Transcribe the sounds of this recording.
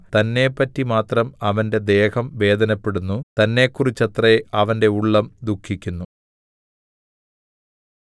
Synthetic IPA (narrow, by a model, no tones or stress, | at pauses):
t̪ɐnːe̞pːɐtːimaːt̪rɐmɐʋɐnde̞d̪e̞ːhɐmʋe̞ːd̪ɐnɐpːe̞ɽunːut̪ɐnːe̞kːurit͡ɕːɐt̪rɐjeʔɐʋɐnde̞uɭːɐmd̪ukʰːikʲːunːu